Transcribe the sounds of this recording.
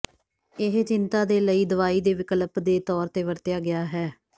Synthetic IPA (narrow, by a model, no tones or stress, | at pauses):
ɪɦt͡ʃɪnt̪aːd̪eːləiːd̪əʋaːiːd̪eːʋɪkəlpd̪eːt̪ɔːɾt̪eːʋəɾt̪ɪjaːɡɪjaːɦɛː